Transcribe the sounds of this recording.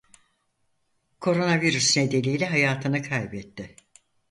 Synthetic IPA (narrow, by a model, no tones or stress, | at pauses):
kʰo̞ɾo̞naviɾysned̪e̞lʲijlʲɛɦajaːt̪ʰɯnɯkʰajbɛt̪ʰːɪ